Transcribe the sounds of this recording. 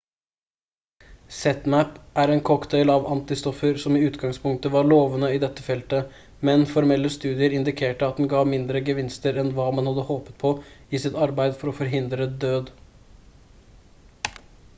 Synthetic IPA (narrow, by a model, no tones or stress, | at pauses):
sɛt̪mæpʔæɾeːnkʰɔkd̪eɪlɑʋɑ̰nt̪ɪst̪ɔfəɾsɔmiːʉːt̪ɡɑŋspʰʊŋk̚t̪əʋɑɭoːʋənəiːd̪ɛt̪ːəfɛlt̪ə | mɛnfɔɾmɛlːəst̪ʉːd̪ɪəɾɪnd̪ɪkʰeːʈəɑt̪̚d̪ɛnɡɑːʋmɪnd̪ɾəɡəʋɪnst̪əɾɛnʋɑːmɑnhɑd̪ːəhoːpət̪̚pʰɔɪsɪt̪ɑɾbæɪd̪fɔɾɔfɔɾɦɪnd̪ɾəd̪øːd̪